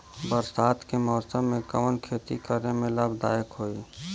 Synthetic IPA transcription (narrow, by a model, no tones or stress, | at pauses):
bəɾsaːt̪kemɔːɾsəmːẽkəmənkʰeːt̪ikəɾemẽləbd̪a̰ːjəkɦoːiː